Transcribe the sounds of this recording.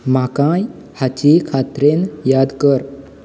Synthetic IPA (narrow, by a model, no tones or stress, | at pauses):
makãjhat͡ɕikʰat̪ɾenjad̪kəɾ